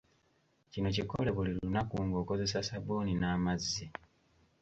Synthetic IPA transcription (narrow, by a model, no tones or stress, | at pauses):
cino̞ciko̞̰leβulilunakuːŋɡo̞ːko̞ze̞sasaβuːninaːmazːi